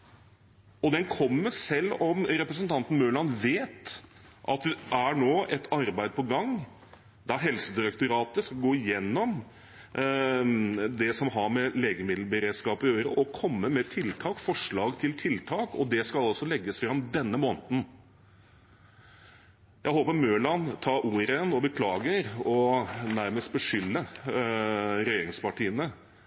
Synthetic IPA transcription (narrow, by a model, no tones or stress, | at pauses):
ɔd̪ɛnkʰɔmːəɾsɛlːɔmɾɛpɾəsnt̪ʰɑnt̪n̩møːlɑnʋeːt̪ʔɑt̪ʔæɳoːɛt̪ɑɾbæɪd̪̚pʰɔɡɑŋ | d̪ɑɦɛlsəd̪ɪɾɛkt̪ʊɾɑːt̪əskɑlɡoːɪjɛnːɔm | d̪ɛsɔmɦɑɾmɛleːɡəmɪd̪l̩bəɾeːd̪skɑːpɪøːɾə̰ʔɔkʰɔmːəmɛt̪ʰɪlt̪ʰɑːkfɔʂɭɑːɡt̪ʰɪlt̪ʰɪlt̪ʰɑːkɔd̪ɛskɑlɔsɔlɛɡːəsfɾɑmd̪ɛnːəmoːnət̪n | jæɪɦoːpəɾmøːlɑnt̪ʰɑːʔuːɾənɔbəkʰlɑːɡəɾɔnæɾməst̪̚bəʂʏlːə | ɾɛjeːɾɪŋspɑʈiːənə